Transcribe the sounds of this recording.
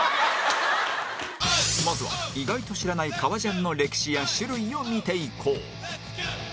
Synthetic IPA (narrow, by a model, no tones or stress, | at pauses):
mazɨβa̰iɡait̪o̞ɕiɾanaikʰaβaʑãnːo̞ɾe̞kʲi̥ɕijaɕɨɾɯ̟io̞mʲit̪e̞ikʰo̰ː